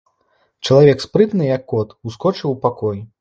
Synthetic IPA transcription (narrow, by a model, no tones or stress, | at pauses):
t͡ʂɐlˠavʲɛkspɾɨt̪nɨjɐkːɔt̪uskɔt͡ʂɨwpakɔj